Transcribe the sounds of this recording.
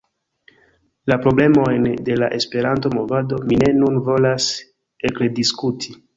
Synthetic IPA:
lapɾo̞ble̞mo̞jnde̞laʔe̞spe̞ɾant̬o̞mo̞vado̞mine̞nunvo̞las | eklediskutʰi

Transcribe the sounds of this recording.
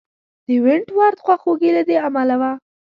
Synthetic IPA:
d̪̥əwɪɳʈwɑɾt̪xwaxoɡilad̪eamalawa

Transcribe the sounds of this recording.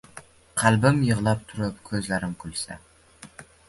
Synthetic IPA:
qʰælbɪmjəʁlˠɑp̚t̪ʰʊɾʊpkʲʰɵzlæɾɪmkʲʰylʲsæ̰

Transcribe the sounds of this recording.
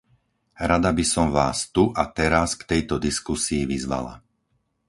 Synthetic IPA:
ɾad̪abisɔmʋaːst̪uʔat̪ɛɾaskt̪ɛjt̪ɔd̪iskusiːʋizʋa̰la̰

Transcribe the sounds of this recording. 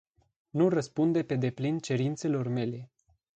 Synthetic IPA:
nurəspund̪e̞pe̞d̪e̞plint͡ʃe̞ɾint̪se̞lo̞rme̞le̞

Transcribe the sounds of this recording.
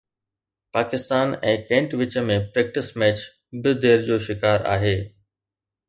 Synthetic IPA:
paːkɪst̪aːnɛ̃ːkɛ̃ːɳʈʋɪt͡ɕə̆mẽpɾɛːk̚ʈɪsmɛːt͡ɕ | bɪd̪ʱeːɾd͡ʑoːʃɪkaːɾa̰ːɦeː

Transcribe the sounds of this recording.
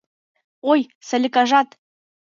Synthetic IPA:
oj | sɘ̆lʲɘkɑʒɑt̪

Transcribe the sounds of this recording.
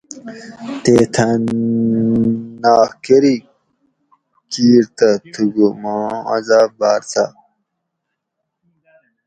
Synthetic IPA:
t̪eːt̪ʰɐ | naːkeɾi | kiːɾt̪ɐt̪ʰuɡumãːa̰zaːbaːɾt͡sʰa

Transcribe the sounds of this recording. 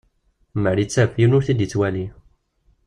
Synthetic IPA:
məɾit͡sːæfjinʊɾθid̪ət͡sːwæli

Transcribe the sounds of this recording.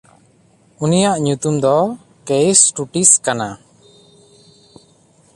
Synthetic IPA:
unijaʔɲut̪umd̪ɔ | kejsʈuʈiskana

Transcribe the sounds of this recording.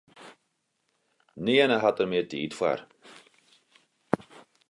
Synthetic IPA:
niənəɦatərmɪətiːtfwa̰r

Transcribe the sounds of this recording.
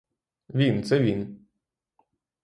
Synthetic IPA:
vʲint͡sɛvʲin

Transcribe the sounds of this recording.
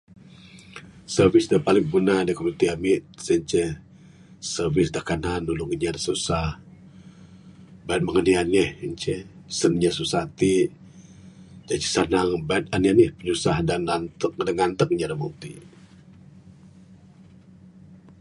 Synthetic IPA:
sərvisdəpalɪŋbunadikomit̪iamit̪̚səɲt͡ʃɛ | sərvɪsdakananːuluŋiɲadasusah | bait̪̚məŋanianəhiɲt͡ʃɛsənɲasusat̪i | d͡ʒat͡ʃi̥sanaŋbait̪̚anianəhpəɲusahdanant̪ək̚daŋant̪ək̚ɲadamut̪ḭ

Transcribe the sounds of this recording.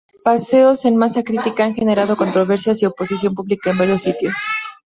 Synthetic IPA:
pase̞o̞se̞nmasakɾit̪ikaaŋxe̞ne̞ɾað̞o̞ko̞nt̪ɾo̞β̞e̞ɾsjasio̞po̞sisjo̞mpuβlikaembaɾjo̞sːit̪jos

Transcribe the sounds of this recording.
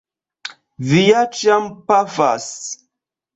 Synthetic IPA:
vijat͡ʃjampafa̰s

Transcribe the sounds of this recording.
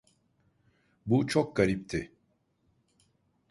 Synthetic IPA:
but͡ʃʰok̚ɡ̥aɾip̚t̪ʰɪ

